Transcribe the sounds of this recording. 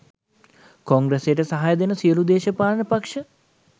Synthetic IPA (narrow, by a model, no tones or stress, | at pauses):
koŋɡɾesejəʈəsɐɦajəd̪enəsijəlud̪eːʃɐpaːlənəpakʂə